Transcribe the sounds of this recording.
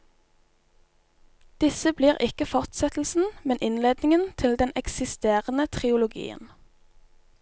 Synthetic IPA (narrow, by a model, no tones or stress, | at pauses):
d̪̥ɪsəbliːʁʔɪkəfɔʁt̪sɛt̪l̩sn̩mɛnʔɪnleːd̪nɪŋənt̪ʰɪld̪ɛnʔɛksɪst̪eːʁənət̪ʰʁɪʊlʊɡḭːə̰n